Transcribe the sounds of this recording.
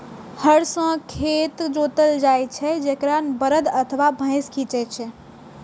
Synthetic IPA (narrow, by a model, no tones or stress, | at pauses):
həɽsə̃kʰet̪d͡ʒot̪əld͡ʒajt͡ʃʰɛd͡ʒekɾanbəɾəd̪ət̪ʰəʋabʱə̃ɪ̃skʰĩt͡ʃɛt͡ʃʰɛ